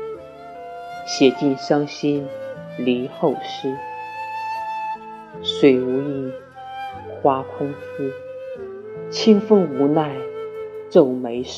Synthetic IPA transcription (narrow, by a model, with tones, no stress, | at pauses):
ɕjɛ˨˩t͡ɕi˥˧˩ŋʂɑ˥ŋɕi˥nli˧˥xo˥˩ʊʂɻ̩˥ | ʂwe˨˩ɪu˧˥i˥˩n | xwa˥kʰʊ˥ŋfu˥ | t͡ɕʰi˥ŋfɤ˥ŋu˧˥na˥˧ɪʈ͡ʂo˥˩ʊme˧˥ɪʂ